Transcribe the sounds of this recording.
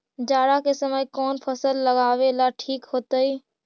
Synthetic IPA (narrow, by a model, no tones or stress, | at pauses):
d͡ʒaːɽakesəməjkɔːnpʰəsəlːəɡaːʋelaʈʰiːkɦoːt̪əiː